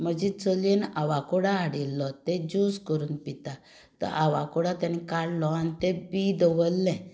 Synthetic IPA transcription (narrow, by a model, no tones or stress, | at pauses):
məd͡ʑit͡səlenaʋakuɽaaɽilːɔt̪ed͡ʑuskəɾuːnpit̪a | t̪ə̰ɾʔaʋakuɽat̪anikaɽlɔanit̪ɛbid̪əʋəlːɛ̃